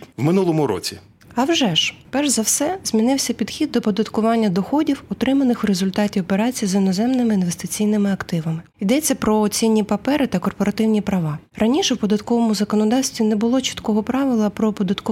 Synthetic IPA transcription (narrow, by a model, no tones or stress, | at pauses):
wmɪnulˠɔmʊɾɔ̰t͡sʲḭ | ɐwʒɛʒpɛrʒzɐwsɛz̥ʲmʲinɪwsʲɐpʲid̪xʲid̪̚ːɔpɔd̪ɐt̪kʊʋɑnʲːɐd̪ɔxɔdʲiwɔt̪ɾɪmɐnɪxwɾezʊlʲt̪ɑtʲiɔpeɾɑt͡sʲijizinɔzɛmnɪmɪinʋest̪ɪt͡sʲijnɪmɪɐkt̪ɪʋɐmɪ | id̪ɛt͡sʲːɐpɾɔːt͡sʲinʲːipɐpɛɾɪt̪ɐkɔrpɔɾɐt̪ɪwnʲipɾɐʋɑ | rɐnʲiʃɛwpɔd̪ɐt̪kɔʋɔmʊzɐkɔnɔd̪ɑwsʲt̪ʲʋʲinɛbʊlˠɔt͡ʃi̥t̪kɔɦɔpɾɑʋɪlˠɐpɾɔpɔd̪ɐt̪kʊ